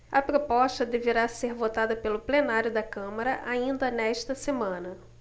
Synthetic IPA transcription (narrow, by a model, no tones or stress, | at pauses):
ɐpɾopɔʃt̪ɐd̪eveɾaseɾvot̪ad̪ɐpelʊplenaɾjʊd̪ɐkɐ̃mɐɾɐʔaĩnd̪ɐnɛʃt̪ɐsemɐ̃nɐ